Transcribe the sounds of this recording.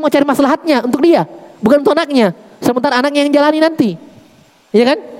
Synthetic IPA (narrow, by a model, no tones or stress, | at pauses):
məŋat͡ʃaɾimasalaɦat̪̚ɲaunt̪ʊk̚diabukannt̪ukanak̚ɲa | səmənt̪aɾaːnak̚ɲajaŋd͡ʒalaninant̪i | jakan